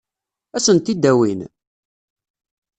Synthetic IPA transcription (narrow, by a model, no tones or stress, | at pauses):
æsənt̪id̪ːæwin